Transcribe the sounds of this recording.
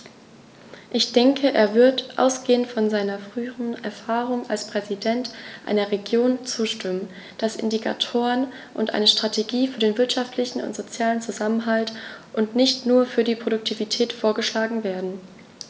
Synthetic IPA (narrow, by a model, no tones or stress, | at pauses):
ʔɪçd̥ɛŋkʰəʔeːɐvɪɐtʔa̰ʊsɡ̥eːəntfɔnzaɪnɐfʁ̥yːəʁənɛ̰ɐfaːʁʊŋalspʁ̥ɛzidɛntʔa̰ɪnɐʁeɡjoːnt͡suːʃtɪmən | d̥asʔɪ̰ndikʰa̰tʰoːʁən | ʔʊntʔa̰ɪnəʃtʁ̥atʰeɡiːfyːɐdeːnvɪɐtʃaftlɪçn̩ʊ̰ntz̥ot͡sjaːlənt͡suzamənɦaltʔʊntnɪçtnuːɐfyːɐdiːpʁ̥oɾʊk̚tʰiːvitʰɛːtfoːɐɡəʃlaːɡŋ̩veːɐdn̩